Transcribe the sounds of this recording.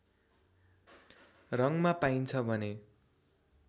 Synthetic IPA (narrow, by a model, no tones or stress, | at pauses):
rʌŋmapaint͡sʰʌbʱʌne